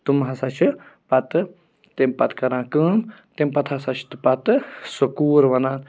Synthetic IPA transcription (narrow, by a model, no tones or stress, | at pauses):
t̪umɦɐsat͡ʃʰɨpɐt̪ɨ | t̪empɐt̪kɐɾãːkɨːmt̪empɐt̪hasat͡ʃʰt̪ɨpɐt̪ɨsokuːɾʋɐnaːn